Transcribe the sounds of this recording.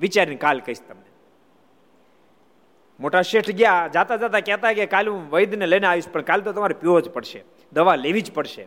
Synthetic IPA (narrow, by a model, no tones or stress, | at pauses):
ʋit͡ʃaɾinkalkəiʃt̪əmne | moʈaʃeʈʰɡjad͡ʒat̪ad͡ʒat̪akɛt̪aekekalɦũʋəjd̪neleneaʋiʃpəɳkalt̪ot̪əmaɾepjod͡ʒpəɽʃe | d̪əʋaleʋid͡ʒpəɽʃḛ